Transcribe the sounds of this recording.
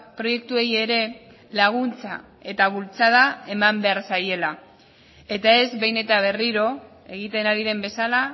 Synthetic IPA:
pɾo̞je̞k̚t̪ue̞je̞ɾe̞ | laɣ̞unt͡sa | e̞t̪aβ̞ult͡sað̞ae̞mambe̞aɾsaje̞la | e̞t̪ae̞zβe̞jne̞t̪aβ̞e̞riɾo̞ | e̞ɣ̞it̪e̞naɾiðe̞mbe̞sala

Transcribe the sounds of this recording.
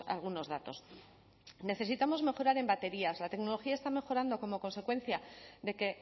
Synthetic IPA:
a̰lɣ̞uno̞zð̞at̪o̞s | ne̞θe̞sit̪amo̞zme̞xo̞ɾaɾe̞mbat̪e̞ɾiazlat̪e̞kno̞lo̞xiae̞st̪ame̞xo̞ɾand̪o̞ko̞mo̞ko̞nse̞kwe̞nθjaðe̞ke̞

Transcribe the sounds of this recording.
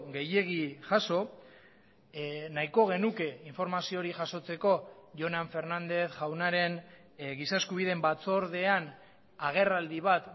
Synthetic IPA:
ɣe̞je̞ɣiʝaso̞ | naiko̞ɣ̞e̞nuke̞iɱfo̞ɾmasio̞ɾiʝaso̞t͡se̞ko̞ʝo̞naɱfe̞ɾnand̪e̞θʝawnaɾe̞n | ɣisaeskuβ̞iðe̞mbat͡so̞ɾð̞e̞an | aɣ̞e̞rald̪iβ̞at̪

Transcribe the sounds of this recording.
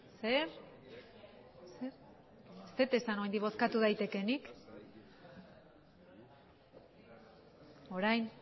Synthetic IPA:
seɾ | seɾ | st̪et̪esano̞ijnd̪iβo̞skat̪uð̞ajt̪e̞ke̞nik | o̞ɾajn

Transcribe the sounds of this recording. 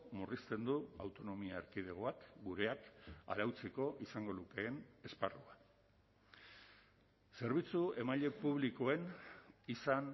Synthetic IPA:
murist̪e̞nd̪uawt̪o̞no̞miaeɾkið̞e̞ɣ̞o̞akɡuɾe̞aka̰ɾawt͡seko̞ʔisaŋɡo̞ðuke̞ːne̞sparua | se̞ɾβit͡sue̞maʎe̞puβ̞liko̞e̞nisan

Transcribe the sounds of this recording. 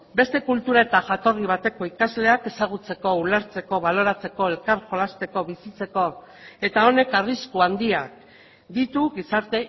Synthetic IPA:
be̞st̪e̞kult̪uɾae̞t̪aʝat̪o̞riβ̞at̪e̞ko̞ikazle̞ake̞saɣ̞ut͡se̞ko̞ulaɾt͡se̞ko̞βalo̞ɾat͡se̞ko̞e̞lkaɾxo̞last̪e̞ko̞βisit͡se̞ko̞ | e̞t̪ao̞ne̞kariskuand̪iak̚ | d̪it̪uɣisaɾt̪e̞

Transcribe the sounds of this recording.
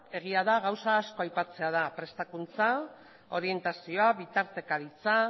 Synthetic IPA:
e̞ɣ̞iaðaɣawsaːsko̞ajpat͡se̞að̞apɾe̞st̪akunt͡sa | o̞ɾie̞nt̪asio̞aβit̪aɾt̪e̞kaðit͡sa

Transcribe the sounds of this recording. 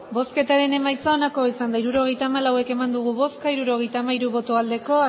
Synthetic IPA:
bo̞ske̞t̪aɾe̞ne̞majt͡sao̞nako̞isand̪aiɾuɾo̞ɣ̞e̞jt̪aːmalawe̞ke̞mand̪uɣ̞uβo̞skaiɾuɾo̞ɣe̞jt̪aːmaiɾuβo̞t̪oald̪e̞ko̞

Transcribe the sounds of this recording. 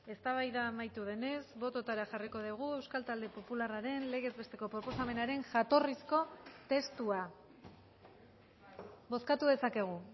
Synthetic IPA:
e̞st̪aβajðaːmajt̪uð̞e̞ne̞zβo̞t̪o̞t̪aɾaʝariko̞ðiɣ̞ue̞wskalt̪ald̪e̞po̞pularaɾe̞nle̞ɣ̞e̞zβe̞st̪e̞ko̞pɾo̞po̞same̞naɾe̞ŋʝat̪o̞risko̞t̪e̞st̪ua | bo̞skat̪uðe̞sake̞ɣ̞u

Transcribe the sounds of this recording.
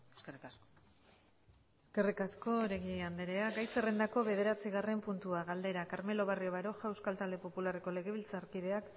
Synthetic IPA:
srs | eske̞rikasko̞ɾe̞ɣiand̪eɾe̞aɡajt͡serend̪ako̞βe̞ð̞e̞ɾat͡siɣare̞mpunt̪uaɣald̪e̞ɾakaɾme̞lo̞βarioβaɾo̞ʝawskalt̪ald̪e̞po̞pulare̞ko̞le̞ɣe̞β̞ilt͡saɾkiðe̞ak

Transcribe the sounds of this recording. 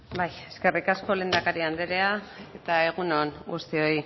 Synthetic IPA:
baje̞ske̞rikasko̞le̞ːnd̪akaɾiand̪eɾe̞ae̞t̪ae̞ɣ̞unoŋɡust̪io̞i

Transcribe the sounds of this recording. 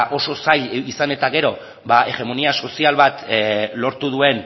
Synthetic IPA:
ʔo̞so̞saʎisane̞t̪aɣe̞ɾo̞ | βae̞ɣe̞moniaso̞sialβat̪lo̞ɾt̪uð̞ue̞n

